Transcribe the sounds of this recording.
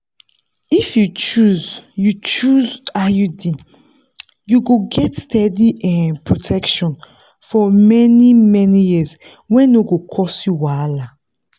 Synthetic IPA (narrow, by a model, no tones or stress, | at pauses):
ifjut͡ʃuzjut͡ʃuzajudi | juɡoɡɛtstɛdiʔɛ̃npɹotʰɛkʃɔ̃n | fɔmɛnimɛnijiz | wɛ̃noɡokʰɔsjuwala